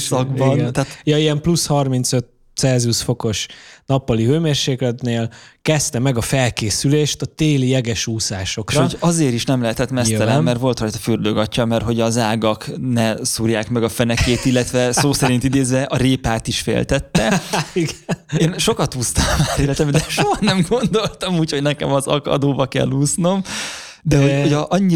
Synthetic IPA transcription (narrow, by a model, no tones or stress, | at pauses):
sɒɡbɒnɛnat̪jɒiɛmplushɒrmint̪søt̪ | sɛːzusfo̞ko̞ʃnɒpːɒliɦøːmeːrʃeːklɛt̪neːlkɛst̪ɛmɛɡɒfɛlkeːsyleːʃt̪ɒt̪eːlijɛɡɛʃuːsaːʃo̞krɒoɟɒzeːɾiʃnɛmlɛɦɛt̪ɛt̪mɛst̪ɛlɛmːɛrt̪ʋo̞lt̪rɒjt̪ɒ̥fyrd̪øɡɒcːɒmɛrɦo̞ɟɒzaːɡɒknɛsuːrjaːkmɛɡɒfɛnɛkeːt̪ilːɛt̪ʋɛssoːsɛɾint̪id̪eːzʋɛʔɒɾeːpaːt̪iʃfḛːlt̪ɛt̪ːɛiɡeːnʃo̞kɒt̪uːst̪ɒmːaːlilːɛt̪ɛmd̪ɛʃoɦɒnɛmɡo̞nd̪o̞lt̪ɒmuːcho̞ɟnɛkɛmɒzɒ̰kɒ̰d̪oːbɒkɛ̰lːuːsno̞m | d̪ɛɦooɟʔɒɲːi